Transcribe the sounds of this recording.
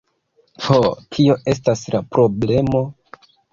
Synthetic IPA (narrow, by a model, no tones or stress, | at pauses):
hotʰio̞ʔe̞s̬taslapɾo̞ble̞mo̞